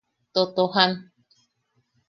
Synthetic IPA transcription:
t̪ot̪oɦan

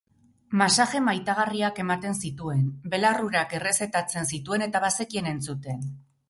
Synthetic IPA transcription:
masaʝe̞majt̪aɣariake̞mat̪e̞nsit̪ue̞nbe̞laruɾake̞re̞se̞t̪at͡se̞nsit̪ue̞ne̞t̪aβase̞kie̞ne̞nt͡sut̪e̞n

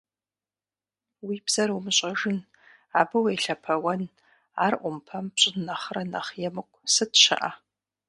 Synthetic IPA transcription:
wiːbz̥ɐɾɐwmɨɕʼɐʒɨn | aːbɨwejɬɐpʰɐwɐn | aːrʔʷʊmpʰɐmpɕʼɪnnɐχrɐnɐχjɛmɨkʷʼsɨtʃɐ̰ʔa̰

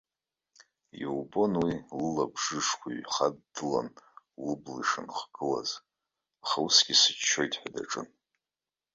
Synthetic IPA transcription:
iwbo̞nwilɨlabʐɨʂkʷʰaɥχadːɨlan | lɨbliʂɨnχɡ̥ɨla̰z̥ | aχawusɡʲisɨt͡ʃʰːo̞jtʼħʷᶣada̰ʈ͡ʂʼɨn

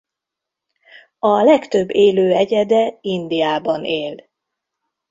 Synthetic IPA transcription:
ɒlɛkt̪ø̞bːeːløːɛɟɛd̪ɛind̪ijaːbɒneːl

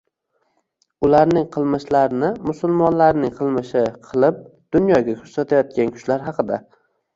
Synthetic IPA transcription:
ʊlaɾnɪŋqʰɨlˠmɪʃlaɾnɪmʊsʊlˠmɒnlaɾnɪŋqʰɨlˠmɪʃɪqʰɨlˠɪp̚d̪̥ʊnjɒɡʲakʰʊɾsat̪ʰajɒt̪̚kʲankʲʰʊ̥t͡ʃlaɾɦɑqʰɨd̪a

